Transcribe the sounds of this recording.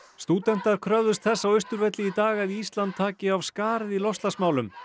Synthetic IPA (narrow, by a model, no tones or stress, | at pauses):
st̪uːt̪ɛn̥t̪aɾ̥kʰɾœvðʏst̪̚θɛsːawʏst̪ʏɾvɛt̪lɪit̪aːɣɛðiːst̪lant̪ʰːaːcɪavskaːɾɪðilɔst̪asmaːwlʏm